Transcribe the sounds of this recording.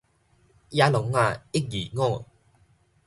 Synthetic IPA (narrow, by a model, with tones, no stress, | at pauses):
ja˧lʊ˨˦ŋa˧˨ɪ˦˥k̚ji˨˩ŋɔ˥˨